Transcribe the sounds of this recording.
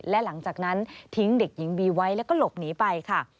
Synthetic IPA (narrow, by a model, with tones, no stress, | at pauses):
lɛ˦˥la˨˩˦ŋt͡ɕaː˨˩k̚na˦˥nt̪ʰi˦˥ŋde˨˩k̚ji˩˦ŋbiː˧wa˦˥jlɛː˦˥wkɔː˥˩lo˨˩p̚niː˦˥pa˧jkʰa˥˩